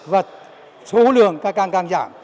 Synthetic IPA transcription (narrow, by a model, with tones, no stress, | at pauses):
və˨˩t̚ | so˨˦lɨ̰˧˨əŋkaː˦˥kːaː˧ŋkaː˧ŋza̰ː˧˩˨m